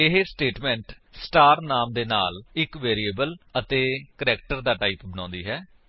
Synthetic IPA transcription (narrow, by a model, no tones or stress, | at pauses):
ɪɦesʈeːʈmɛ̃ːɳʈ | sʈaːɾnaːmd̪eːna̰ːlɪkʋeːɾieːbələt̪eːkəɾɛːk̚ʈəɾd̪aːʈaːiːpbənɔ̃ːnd̪iːɦɛː